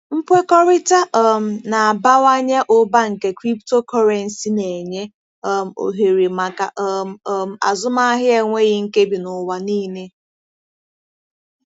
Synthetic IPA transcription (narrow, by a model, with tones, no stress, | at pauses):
m̩˦pʷe˦kɔ˦ɾɪ˦ta˦ʔɔ˦m̩˦na˨a˨ba˦wa˦ɲa˦ʔʊ˦ba˦ŋ̩˨ke˦kɾi˦pto˦kɔ˦ɾe˨n̩˨si˦ne˨ɲe˦ | m̩˨o̰˨ɦe˨ɾi˨ma˨ka˨ʔm̩˨˦m̩˨a̰˨zʊ˦ma˦a˦ɦɪ˦e˨ŋʷe˦ɣɪ˦ŋ̩˦ke˦bi˨nʊ˨wa˨niː˦ne˦